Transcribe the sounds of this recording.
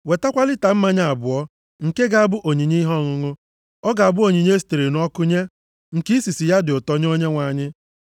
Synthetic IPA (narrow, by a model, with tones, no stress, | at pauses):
we˨ta˦kʷa˦lɪ˦ta˨m̩˦ma˦ɲa˦a˨bʊ˨ɔ˦ | ŋ̩˨ke˦ɡa˦a˨bʊ˦ʔo˨ɲi˨ɲi˦ɦɔ˦˨ŋʊ˨ŋʊ˦ | ɔ˦ɡa˨a˨bʊ˦o˨ɲi˨ɲ˦e˦s̬i̥˨te˨ɾe˨n˨˦ɔ˦kʊ˦ɲe˦ | ŋ̩˨ki˦i˦si˨si˨ja˦dɪ˨o˨tɔ˦ɲ˦o˦ɲe˦ŋʷa˨ɲɪ˦